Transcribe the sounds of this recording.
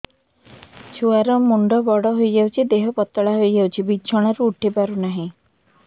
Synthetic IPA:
t͡ʃʰuaɾɔmuɳɖɔbɔɽɔɦojd͡ʒawt͡ʃʰid̪eɦɔpɔt̪ːɔɭaɦojd͡ʒawt͡ʃʰibiːʃʰɔɽ̃aɾuːʈʰipaɾunaɦĩ

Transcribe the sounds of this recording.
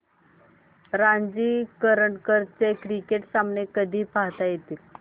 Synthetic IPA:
ɾaɲd͡ʑiːkəɾəɳʈkəɾt͡sekɾikeʈsamɳekəd̪ʱiːpaɦt̪ajet̪i

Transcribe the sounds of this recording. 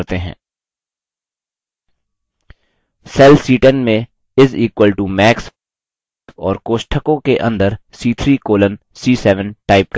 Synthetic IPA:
ɾt̪eɦɛ̰̃ː | sɛːlsiːʈə̃nmẽ | ɪziːkwəlʈumɛːks | ɔːɾkoːʃʈʰəkõkeʔɐ̰̃nd̪əɾsiːt̪ʰɾiːkoːlən | siːsɛːʋə̃nʈaːɪp̚k

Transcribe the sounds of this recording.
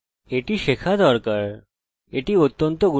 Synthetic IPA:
eʈiʃekʰad̪ɔɾkaɾ | eʈiot̪ːont̪oɡu

